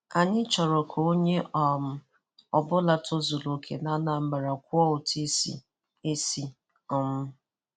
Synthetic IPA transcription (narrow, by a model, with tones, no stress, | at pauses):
a˨ɲɪ˦t͡ʃɔ˨ɾɔ˨kʰo˨o˦ɲe˦ʔɔ˨m̩˨ | ɔ˨bʊ˦la˨tʰo˦zo˨lo˨kʰḛ˨na˦na˨m̩˦ɡ͡ba˨ɾa˨kʷʊ˦ɔ˦ʊ˨tʰi˦sḭ˨ | e˦si˦ | ɔ˦mʊ˦